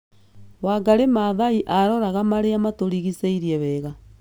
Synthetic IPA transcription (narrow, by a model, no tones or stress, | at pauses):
waɡaɾemaðaiʔaɾɔɾaɣamaɾeamatoɾiɣiseiɾiɛβɛːɣa